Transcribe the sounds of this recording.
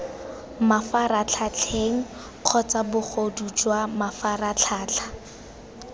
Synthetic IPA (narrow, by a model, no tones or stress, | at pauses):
mafarat͡ɬʰat͡ɬʰeŋ̩ | q͡χʰɔt͡sabʊχʰodut͡ʃwamafarat͡ɬʰaːt͡ɬʰḁ